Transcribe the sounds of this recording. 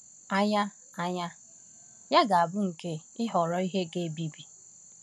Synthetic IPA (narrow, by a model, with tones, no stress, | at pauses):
a˦ɲa˦ | a˦ɲa˦ | ja˦ɡa˨a˨bʊ˦ŋ̩˨ke˦ɪ˦ɦɔ˨ɾɔ˦i˦ɦe˦ɡe˦bi˨bi˨